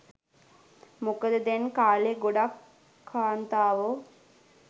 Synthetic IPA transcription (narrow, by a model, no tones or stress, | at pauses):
mukəd̪əd̪ɛnkaːleɡoɖakʰː | aːnt̪aːʋo